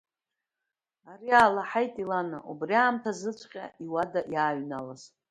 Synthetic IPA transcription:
ariaːlaħajtʼilana̰ʔubriaːmtʰazɨt͡sʷʰʼqʲʼa̰ʔiwadaʔjaːɥnalaz

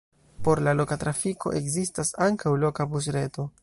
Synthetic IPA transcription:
po̞ɾlalo̞katɾafikʰo̞̰ʔe̞kzistasaŋkawlo̞kabus̬ɾe̞to̞

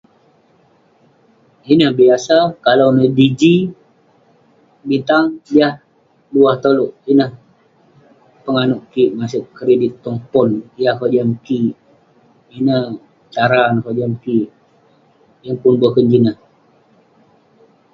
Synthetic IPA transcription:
inəhbiasakalawnədid͡ʒi | bint̪aŋdiah | luaht̪oloʔinəh | pəŋanʊʔkiʔmasʊʔkəɾedit̪ːɔmpɔnijahhod͡ʒamkiʔ | inəh | t͡ʃaɾanhod͡ʒamkiʔ | jaŋpʊnbuahkəɲd͡ʒinəh

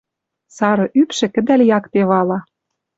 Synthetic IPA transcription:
sɑɾɤ̆ʔypʃɘ̆kə̆d̪æljɑkt̪eβɑlɑ

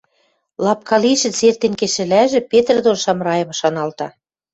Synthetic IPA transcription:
lˠɑp̚kɑliʃɘ̆t͡sert̪enkeʃɘ̆læʒĕpet̪rd̪onʃɑmrɑjɤ̆mʃɑnɑlt̪ɑ

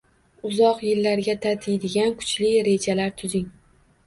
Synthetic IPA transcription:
ʊzɒqjɪlːaɾɡʲat̪ʰat̪ʰɪjd̪ɪɡʲankʰʊ̥t͡ʃlɪɾe̞d͡ʒalaɾt̪ʰʊzɪŋ

